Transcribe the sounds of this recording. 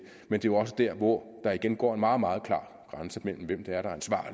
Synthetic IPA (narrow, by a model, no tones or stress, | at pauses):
mend̥e̝joɒ̽s̬əd̥æɐ̰ʋɒd̥ɑ̈iɡ̥enɡ̥ɒ̰ːe̝nmɑ̈ːð̩ˠmɑ̈ːð̞ˠkʰlɑ̰̈ː | ɡ̥ʁɑnsəmel̰m̩ʋem̰d̥eæɐɾ̥ɑ̈ænsʋɑ̰̈ː